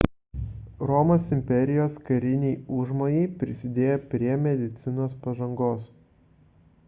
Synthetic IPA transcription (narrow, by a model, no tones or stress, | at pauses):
ɾɔmoːsɪmʲpʲɛɾʲɪjoːskɐɾʲɪnʲɛɪʊʒmoːjɛɪpʲɾʲɪsʲɪd̪ʲeːjɛpʲɾʲiɛmʲɛd̪ʲɪt̪sʲɪnoːspɐʒɐŋɡoːs